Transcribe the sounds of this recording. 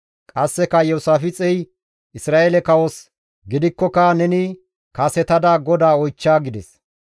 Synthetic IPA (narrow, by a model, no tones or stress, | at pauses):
kʼɐsːɛkɐjɔwsaːfɪt͡sʼɛj | ʔɪsɾaːʔeːlɛkɐwɔs | ɡɪd̪ɪkːɔkɐnɛnɪ | kasɛt̪ɐd̪aɡɔd̪aːɔjt͡ʃːaːɡɪd̪ɛs